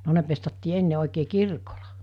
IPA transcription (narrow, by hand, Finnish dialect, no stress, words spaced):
no ne pestɑtːiː enːe oˑikeː kirkolɑ